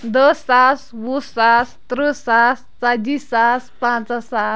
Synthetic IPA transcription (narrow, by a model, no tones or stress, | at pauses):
d̪əsaswusast̪ɾusas | t͡sad͡ʑisaspãt͡səsa